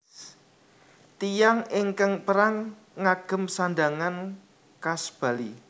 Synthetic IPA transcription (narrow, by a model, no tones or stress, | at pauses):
t̪ijaŋɪŋkəŋpəɾaŋː | aɡ̥ə̤msand̪aŋan | kasb̥a̤li